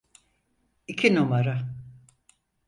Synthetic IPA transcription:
icʰinumaɾa

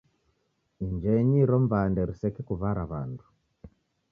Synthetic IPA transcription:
iɲd͡ʒɛɲiɾɔmvandɛɾisɛkɛkuβaɾaβa̰ndu̥

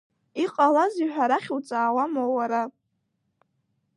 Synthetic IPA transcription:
iqʼalaziħᶣaɾaχʲwt͡sʼaːwamowaɾa

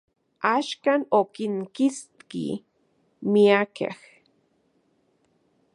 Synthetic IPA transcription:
aʃkaːnokiŋkist̪kḭ | miakḛh

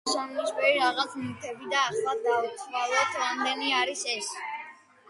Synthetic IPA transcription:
ʃanlɔʃvɛɾiɾaʁat̪sʰmit̪ʰɛbid̪aːχlˠad̪auswalˠɔt̪ʰɾamd̪ɛniaɾisɛs

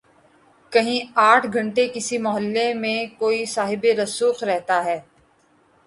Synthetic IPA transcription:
kɐɦĩaːʈʰɡʱɐ̃ɳʈekɪsimʊɦəlːemẽkoːisaːɦɪbeɾɐsuːxɾɛɦt̪aɦɛː

